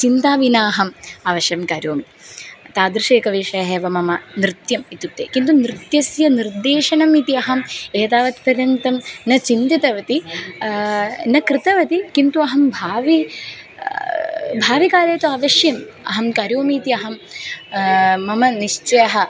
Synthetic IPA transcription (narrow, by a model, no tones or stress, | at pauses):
t͡ʃint̪aːʋinaːɦɐmaːʋɐʃjɐmkaːɾjoːmi | t̪aːd̪ɾiʂeːkɐʋeːʂɐjɐɦeːʋɐmɐmɐnɾɨt̪jɐmit̪ut̪ːḛːkint̪unɾɨt̪jɐsjɐniɾd̪eːʂɐnɐmit̪iɐɦɐmeːd̪aːʋɐt̪pɾɐɾjɐnt̪ɐmnɐt͡ʃint̪it̪ɐʋɐt̪i | nɐkɾɨt̪ɐʋɐt̪ikint̪uɐɦɐmbʱaːʋi | bʱaːʋikaːɾeːt̪uaːʋɐʃjɐm | ɐ̰ɦɐmkaːɾjoːmiːt̪iɐɦɐm | mːɐmɐniʂt͡ʃɐjɐɦɐ